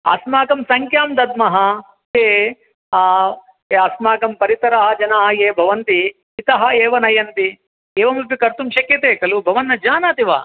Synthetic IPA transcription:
a̰smaːkɐmsɐŋkjaːmd̪ɐd̪̚mɐɦɐ̆ | eː | eɐsmaːkɐmpɐɾit̪ɐɾaːɦɐd͡ʒɐnaːɐjeːbʱɐʋɐnt̪iː | t̪ɐɦɐ̆eːʋɐnɐjɐnt̪i | eːʋɐmup̬ikɐɾt̪umʃɐkjɐt̪eːkɐlubʱɐʋɐnːɐd͡ʒaːnaːt̪iʋa̰ː

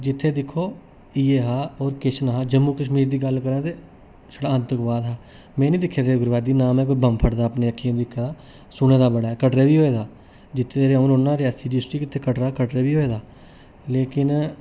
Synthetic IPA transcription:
d͡ʒɪt̪ʰːeːd̪ɪkʰːoː | iːeːɦaːɔːɾkeʃənɦaːd͡ʒəmːuːkəʃmiːɾd̪iːɡəlkəɾãːd̪eː | ʃəɽaə̃nt̪əkbaːd̪ɦaː | mɛ̃ːnĩːd̪ɪkʰːeːd̪eːɡʊɾʋaːd̪iːnaːmɛ̃ːk̬oːibəmpʰəʈd̪aːpneːəkʰːiãːd̪ɪkʰːed̪aː | sʊɽ̃ẽːd̪aːbəɽaːɛːkəʈɾeːʋiːɦoːeːd̪aː | d͡ʒɪt̪ʰːeːɾanonːãːɾɪjaːsiːɾɪsʈɾiːkɪt̪ʰːeːkəʈɾaːkəʈɾeːʋiːɦoːeːd̪aː | leːkɪn

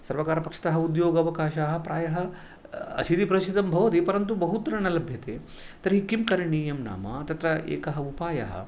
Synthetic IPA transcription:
sɐɾʋɐkaːɾɐpɐkʂɐ̥t̪ɐɦɐud̪joːɡɐʋɐkaːʃaːɦɐ̆pɾaːjɐɦɐ̆ | ɐ̰t͡ʃʰit̪ipɾɐʃid̪ɐmbʱɐʋɐt̪ipɐɾɐnt̪ubɐɦut̪ɐɾɐɳɐlɐbʱjɐt̪eː | t̪ɐɾɐɦikimkɐɾɐɳiːjɐmna̰ːmɐ̰t̪ɐt̪ɾɐʔḛːkɐɦɐupaːjɐ̰ɦɐ̰

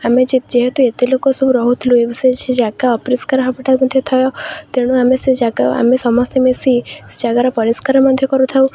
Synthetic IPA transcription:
amed͡ʒid͡ʒeɦɛt̪uet̪ilokosubɾɔɦut̪ʰilũebiset͡ʃʰid͡ʒakaɔpɾiskaɾɦɔpiʈamɔd̪ʱjɔt̪ʰɔjɔt̪eɽ̃ũamesed͡ʒaɡaa̰mesɔmɔst̪emesid͡ʒaɡaɾɔpɔɾiskaɾmɔd̪ʱjɔkɔɾut̪ʰaũ

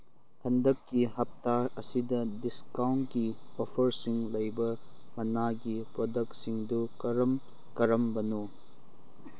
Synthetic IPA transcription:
hʰɐndɐkːihɐp̚taɐsidɐdiskawntkiopʰɐɾsiŋlɐjbɐmɐnaɡipɾodɐk̚tsiŋdukɐɾɐm | kɐɾɐmbɐno

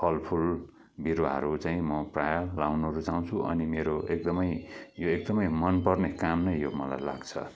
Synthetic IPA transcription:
pʰʌlpʰul | bʱiɾoaɦʌ̰ɾut͡saĩmʌprajʌːawnɾut͡saũt͡sʰuʔʌ̰nimeɾoek̚d̪ʌmʌjjoek̚d̪ʌmʌjmʌnpʌrnekamnʌjjomʌla̰jla̰ɡt͡sʰʌ̰

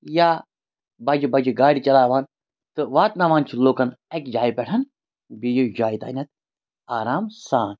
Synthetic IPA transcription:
jaː | bɐd͡ʒibɐd͡ʒiɡaːɽʲit͡ʃɐlaːʋaːn | t̪ɨʋaːt̪naʋaːnt͡ʃʰiloːkɐnɛkd͡ʒaːjipʲɛʈʰɐn | bijud͡ʒaːit̪a̰ːnʲɐt̪̚ | aːɾaːmsaːn

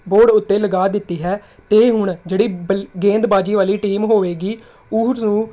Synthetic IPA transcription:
boːɖʊt̪ːeːləɡaːd̪ɪt̪ːiːɦɛː | t̪eːɦʊɳd͡ʒeːɽiːɡẽːnd̪baːd͡ʒiːʋaːliːʈiːmɦoːʋeːɡiː | ʊnũː

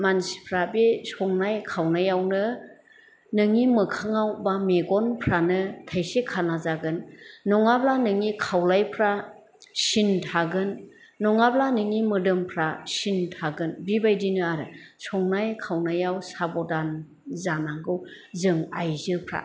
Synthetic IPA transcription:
mansi̥pʰɾabisɔŋnajkʰawnajawnɯ | nɯŋimɯkʰaŋawbameɡɔnpʰɾanɯtʰajsekʰanazaɡɯnːɔŋablanɯŋikʰawlajpʰɾa | sintʰaɡɯnː | ɔŋablanɯŋimɯdɯmpʰɾasintʰaɡɯnbibajdinɯaɾɯsɔŋnajkʰawnajawsabɔdan | zanaŋɡɯwzɯŋajzɯpʰɾa̰

